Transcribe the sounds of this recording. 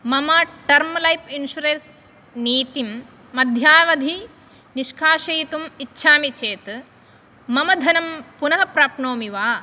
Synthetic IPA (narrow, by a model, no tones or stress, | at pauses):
mɐmɐʈɐɾmlɐjpinʃuɾens | niːt̪imː | ɐd̪ʱjaːʋɐd̪ʱi | niʃkʰaːʃɐjit̪umitːʃʰaːmit͡ʃeːt̪ | mɐmɐd̪ʱɐnɐmpunɐɦɐpɾaːpnoːmiʋaː